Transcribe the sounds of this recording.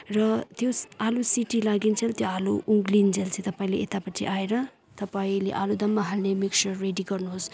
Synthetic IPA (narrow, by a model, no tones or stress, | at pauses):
rʌt̪joalusiʈilaɡint͡sʰelt̪joaluʔuŋɡlind͡zʱelt͡sʰĩt̪ʌpaĩleʔet̪apʌʈʰḭʔaeɾʌ | t̪ʌpaĩlḛʔalud̪ʌmːaɦalnemiksʌrːeɖiɡʌrnuɦos